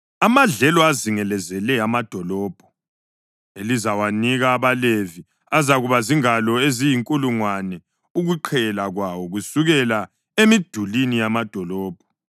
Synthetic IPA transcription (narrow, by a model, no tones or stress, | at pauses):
amaɮɛlɔaziŋɛlɛzɛlɛamad̥ʱɔlɔːb̥ʱɔ̥ | elizawaniɣaːβalevi | azaɣuβaziŋalɔezijiŋkʼuluŋwanɛ | uɣuǃʰɛlaɣwawɔɣusuɣɛla | emid̥ʱulinijamad̥ʱɔlɔːb̥ʱɔ